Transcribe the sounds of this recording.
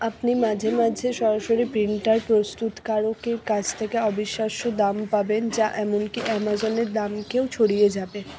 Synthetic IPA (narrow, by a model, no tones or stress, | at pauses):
apnimad͡ʑʱemad͡ʑʱeʃɔɾaʃoɾipɾiɳʈaɾpɾost̪ut̪kaɾokeɾkat͡ɕʰt̪ʰekeɔbiʃːaʃod̪ampabend͡ʑaʔɛmonkiʔɛmazoneɾd̪amkewt͡ɕʰoɽijed͡ʑabe